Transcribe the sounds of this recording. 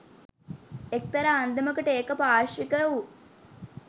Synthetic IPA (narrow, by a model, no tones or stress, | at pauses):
ek̚t̪ɐɾaːnd̪ɐmɐkɐʈeːkɐpaːɾʂʋikɐwu